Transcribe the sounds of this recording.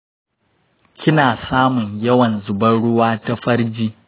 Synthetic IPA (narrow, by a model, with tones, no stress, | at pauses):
kʲɪ˦naː˨saː˦mʊ˨ɲjɐ˦wɐ˨nzʊ˨bɐ˦ɽʊ˦waː˦ta˦ɸɐ˦ɽd͡ʒiː˦